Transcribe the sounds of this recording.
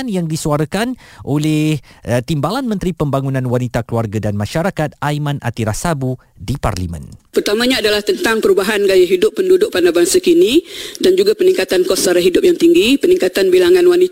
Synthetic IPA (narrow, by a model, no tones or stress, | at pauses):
anjaŋdisuaɾakanʔolɛht̪imbalanmənt̪ɾipəmbaŋunãnwanit̪akluarɡadanmãʃaɾakat̪̚ajmãnʔa̰t̪iɾasabu | dipa̰rlimə̰̃npərt̪amãɲãadalaht̪ənt̪aŋpəɾubaɦanɡajaɦidʊpːəndudʊk̚panabaŋsakinidand͡ʒuɡapəniŋkat̪ankɔsaɾaɦidʊp̚jaŋt̪iŋɡipənĩŋkat̪anbilaŋãnwani